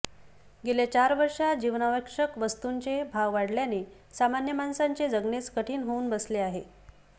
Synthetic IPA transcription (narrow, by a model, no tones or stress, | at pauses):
ɡelet͡ɕaɾʋəɾʂad͡ʑiʋnaʋəkʂəkʋəst̪uɲt͡ɕebʱawʋaɽljane | samanjəmansaɲt͡ɕed͡zəɡnet͡skəʈʰiːnɦouːnbəsleaɦe